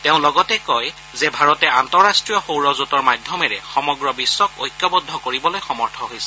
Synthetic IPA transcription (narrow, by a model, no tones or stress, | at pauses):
tɛʊ̃lɔɡɔtɛkɔj | zɛbʱaɹɔtɛantɔɹastɹijɔxowɹɔzutɔɹmadʱjɔmɛɹɛxɔmɔɡɹɔbisːɔkojkːɔbɔdʱːɔkoɹibɔlojxɔmɔɹtʰɔɦojsɛ